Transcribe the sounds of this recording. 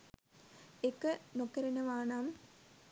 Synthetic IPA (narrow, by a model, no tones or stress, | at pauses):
ekːənokɐɾɐnəʋaːnaːm